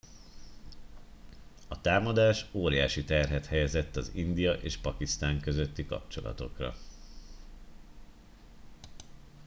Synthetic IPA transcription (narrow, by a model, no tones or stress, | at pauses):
ɒt̪aːmɒd̪aːʃoːɾjaːʃit̪ɛrɦɛt̪hɛjɛzɛt̪ːɒzind̪ijɒʔeːʃpɒkist̪aːŋkø̞zøt̪ːikɒ̰p̚t͡ʃo̞̰lɒ̰t̪o̞̰krɒ̰